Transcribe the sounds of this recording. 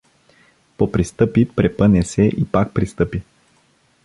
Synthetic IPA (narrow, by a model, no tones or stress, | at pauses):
popɾist̪ɤpipɾɛpɤnɛsɛʔipak̚pɾist̪ɤpi